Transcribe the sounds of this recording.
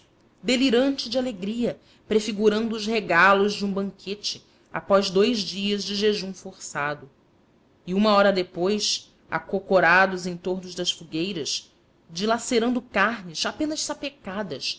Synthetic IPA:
d̪eliɾɐ̃nt͡ʃɪd͡ʒɪaleɡɾiɐ | pɾefiɡuɾɐ̃nd̪ʊːʃheɡalʊzd͡ʒɪũbɐ̃ŋkʰet͡ʃɪ | a̰pɔzd̪ojzd͡ʒiɐzd͡ʒɪʒeʒũfoɾsad̪ʊ | iũmɐɔɾɐd̪epojs | a̰kokoɾad̪ʊzẽj̃t̪oɾnʊzd̪ɐsfuɡejɾɐs | d͡ʒilaseɾɐ̃nd̪ʊkaɦnɪsapẽnɐʃsapekad̪ɐs

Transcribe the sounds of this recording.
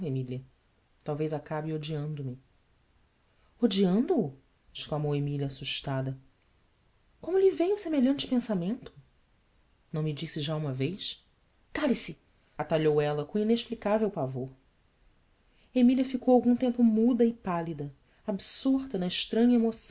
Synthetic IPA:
emiliɐ | t̪awvejzakabɪod͡ʒiɐ̃nd̪ʊmi | od͡ʒiɐ̃nd̪ʊː | ɪʃklamowemiliɐasuʃt̪ad̪ɐ | kõmʊʎivejʊsemeʎɐ̃nt͡ʃɪ̥pẽsamẽnt̪ʊ̥ | nɐ̃w̃mid͡ʒisɪʒaũmɐvejʃ | kalisɪ | at̪aʎowɛlɐkõineʃplikavewpavoɾ | emiliɐfikowawɡũt̪ẽmpʊmud̪ɐɪpalid̪ɐ | absuɾt̪ɐnɐɪʃt̪ɾɐ̃ɲɐemosɐ̃

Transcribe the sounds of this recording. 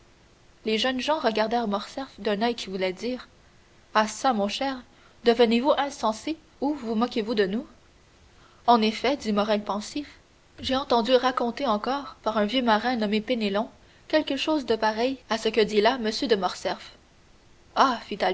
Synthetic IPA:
leʒənʒɑ̃ʁəɡaʁd̪ɛʁmɔʁsɛʁfd̪ɛ̃nœjkʲivulɛd̪iːʁ | asamɔ̃ʃɛːʁ | d̪əvənevuʔɛ̃sɑ̃se | uvumɔkʲevud̪ənu | ɑ̃nefɛd̪imɔʁɛlpɑ̃sif | ʒeɑ̃t̪ɑ̃d̪yʁakɔ̃t̪eɑ̃kɔːʁpaʁœ̃vjømaʁɛ̃nɔmepenelɔ̃ | kʲɛlkəʃoːzd̪əpaʁɛjasəkəd̪ilaməsjød̪əmɔʁsɛf | afit̪al

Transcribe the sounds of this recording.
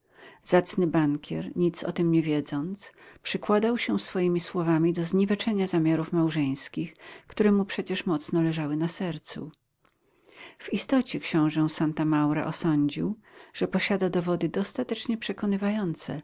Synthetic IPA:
z̥at̪snɘbaŋkʲʰɛ̰ɾɲit̪sɔ̰t̪ɘmɲɛvʲjɛd̪zɔnt̪spʂɘkwad̪awɕɛ̃sfɔjimʲiswɔvamʲid̪ɔzɲivɛt͡ʂɛɲazamʲjaɾufmawʐɛ̃j̃skʲixkt̪uɾɛmupʂɛt͡ɕɛʂmɔt̪snɔlɛʐawɘnasɛɾt̪sṵ | vist̪ɔt͡ɕɛkɕɔ̃w̃ʐɛ̃sant̪amawɾa̰ʔɔsɔɲd͡ʑiwʐ̥ɛpɔɕad̪ad̪ɔvɔd̪ɘd̪ɔst̪at̪ɛt͡ʂɲɛpʂɛkɔnɘvajɔnt̪sɛ̰

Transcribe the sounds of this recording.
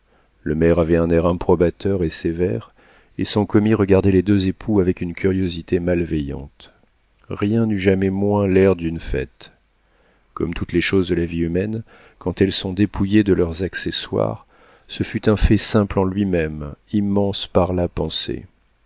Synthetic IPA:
ləmɛʁavɛɛ̃nɛʁɛ̃pχɔbat̪œʁesevɛʁ | esɔ̃kɔmiʁəɡaʁd̪ɛled̪øzepʰuavɛkynkʲʰyʁjozit̪emalvɛjɑ̰̃t̪ | ʁjɛ̃nyʒamɛmwɛ̃lɛʁd̪ynfɛ̰t̪ | kɔmt̪ut̪leʃozd̪əlaviymɛn | kɑ̃t̪ɛlsɔ̃d̪epʰujed̪əlœʁzakseswa̰ʁ | səfyt̪ɛ̃fɛsɛ̃plɑ̃lɥimɛmimːɑ̃spaʁlapɑ̃sḛ

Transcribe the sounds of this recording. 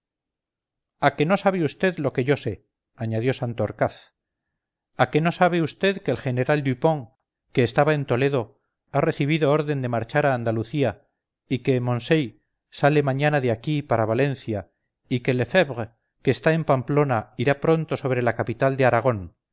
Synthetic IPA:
ake̞no̞saβ̞eust̪e̞ðlo̞ke̞ʝo̞se̞ | aɲaðjo̞sant̪ooɾkaθ | ake̞no̞saβ̞eust̪e̞ðkeːlxe̞ne̞ɾald̪upo̞ŋ | ke̞ːst̪aβae̞nt̪o̞le̞ðo̞ | are̞θiβ̞iðo̞oɾðe̞nd̪e̞maɾt͡ʃaɾaːnd̪aluθia | ike̞mõ̞nsej | sale̞mãɲanaðeakipaɾaβale̞nθja | ike̞le̞feβʁ | keːst̪ae̞mpamplo̞naiɾapɾo̞nt̪o̞so̞βɾe̞lakapit̪ald̪e̞aɾaɣ̞o̞n

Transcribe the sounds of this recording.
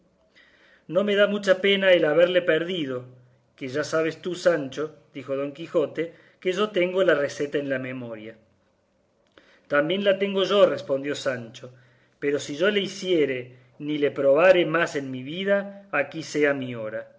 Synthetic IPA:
no̞me̞ðamut͡ʃape̞naelaβe̞ɾlepeɾðið̞o̞ | keʒasaβ̞est̪usant͡ʃo̞d̪ixo̞ð̞o̞ŋkixo̞t̪e̞ | keʒo̞t̪e̞ŋɡo̞larese̞t̪aenlamẽmo̞ɾja | t̪ambjẽ̞nlat̪e̞ŋɡo̞ʒo̞respo̞nd̪jo̞sant͡ʃo̞ | peɾo̞siʒo̞leisjeɾe | nilepɾo̞β̞aɾemase̞nmiβið̞aːkiseamio̞ɾa

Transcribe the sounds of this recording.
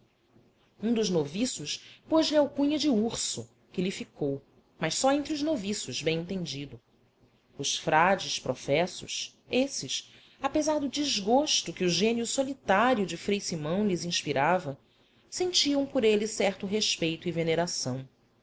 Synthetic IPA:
ũd̪ʊʒnovisʊʃpoʒliawkũɲɐd͡ʒɪuɾsʊ | kɪlɪfikʰow | mɐʃsɔẽnt̪ɾiʊʒnovisʊʒbẽj̃ẽnt̪ẽnd͡ʒid̪ʊ | ʊʃfɾad͡ʒɪʃpɾofɛsʊ̰ʃ | esɪs | apezaɾd̪ʊd͡ʒiʒɡoʃt̪ʊkɪʊʒẽniʊsolit̪aɾjʊd͡ʒɪfɾejsimɐ̃w̃lɪzĩʃpiɾavɐ | sẽnt͡ʃiɐ̃w̃pʊɾelɪsɛχt̪ʊɦeʃpejt̪ʊiveneɾasɐ̃w̃

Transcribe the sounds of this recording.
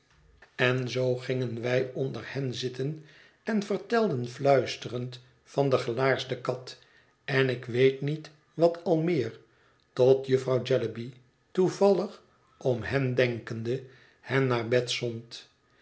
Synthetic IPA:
ɛnzowχɪŋənʋɛjɔndəɹhɛnzɪtən | ɛnvəɹtɛlˠdənflœɥstərənt | fɑndəχəlaːɹsdəkɑt | ɛnɪkʋejtnit | ʋɑtʰɑlˠmɪːɹ | tɔtjəfrɑwd͡ʒɛləbi | tuvɑlˠəχ | ɔmɦɛndɛŋkəndə | hɛnnaːɹbɛtsɔnt

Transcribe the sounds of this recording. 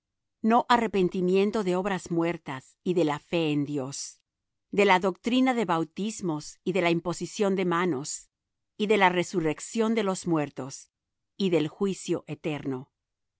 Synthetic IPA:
no̞ʔare̞pe̞nt̪imje̞nt̪o̞ðeo̞βɾazmwe̞ɾt̪as | iðe̞lafe̞ːnd̪jo̞s | d̪e̞laðo̞k̚t̪ɾinaðe̞βawt̪izmo̞siðe̞laimpo̞sisjo̞nd̪e̞mano̞s | iðe̞lare̞sure̞ksjo̞nd̪e̞lo̞zmwe̞ɾt̪o̞s | iðe̞lxwisjo̞ʔet̪e̞ɾno̞

